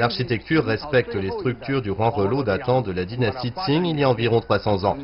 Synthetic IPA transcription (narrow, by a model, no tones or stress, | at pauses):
laʁʃit̪ɛk̚t̪yʁːɛspɛk̚t̪lest̪χyk̚t̪yʁd̪yʁwɛ̃ʁəlod̪at̪ɑ̃d̪əlad̪inast̪id̪siŋilijaɑ̃viʁɔ̃t̪χwasɑ̃zɑ̃